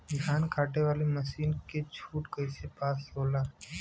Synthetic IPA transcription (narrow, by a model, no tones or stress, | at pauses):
ɡʱaːnkʰaːʈeʋaːlemɐʃiːnket͡ʃʰuːʈkəɪsepaːsloːlaː